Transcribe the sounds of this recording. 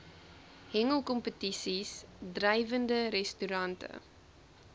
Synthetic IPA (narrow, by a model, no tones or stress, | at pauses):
hɛŋəlˠkɔmpətisisdrɐjvəndəɾɛstyɾɐntə̰